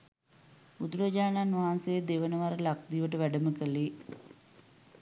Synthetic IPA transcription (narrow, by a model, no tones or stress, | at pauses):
ud̪ɾəd͡ʒaːnaːnuaːnsed̪eʋənəʋaɾəlak̚d̪iʋəʈəʋæɖəməkəli